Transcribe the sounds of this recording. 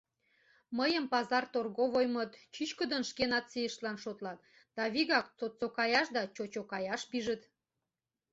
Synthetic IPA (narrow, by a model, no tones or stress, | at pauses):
məjəmpɑzɑrt̪orɣoβojmət̪t͡ɕyt͡ɕkəd̪ənʃkenɑt̪sijəʃlɑnʃot̪lɑt̪̚ | d̪̥ɑβiɣɑk̚t͡sot̪t͡sokɑjɑʃd̪ɑt͡ɕot͡ɕokɑjɑʃpiʒət̪